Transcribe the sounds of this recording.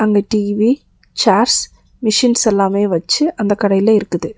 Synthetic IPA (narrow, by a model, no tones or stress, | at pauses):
ɐŋɡeːʈiːʋi | t͡ʃaːɾs | mɪʂɪnsɛlːaːmeːʋɐt͡ʃːɯʔɐnd̪ɐkːɐɽɐjɪlɐɪɾɯkːɯðɯ